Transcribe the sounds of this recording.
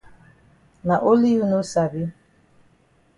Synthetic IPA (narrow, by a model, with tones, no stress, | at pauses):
na˨ʔo˦li˦ju˦nu˦sa˨bi˦